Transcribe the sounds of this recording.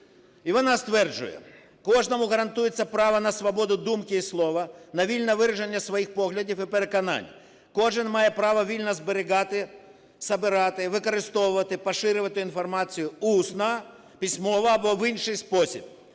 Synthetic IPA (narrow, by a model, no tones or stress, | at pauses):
iʋɔnɑst̪ʋɛrd͡ʒʊ̰jɛ̰ | kɔʐnɔmʊɣɐɾɐnt̪ujet͡sʲːɐpɾɑʋɐnɐsʋɐbɔd̪ʊd̪umkɪislˠɔʋɐnɐʋʲilʲnɐʋɪɾɐʒenʲːɐsʋɐjixpɔɣlʲɐdʲifipeɾekɐnɑ̰nʲ | kɔʐɪnmɑjɛpɾɑʋɐʋʲilʲnɐzbeɾʲɪɣɑt̪ɪ | sɐbɪɾɑt̪ɪʋɪkɐɾɪst̪ɔwʊʋɐt̪ɪpɐʃɪɾɪʋɐt̪ɪinfɐrmɑt͡sʲijʊusnɐ | pʲisʲmɔʋɐːbɔʋɪnʃɪjspɔsʲḭb̚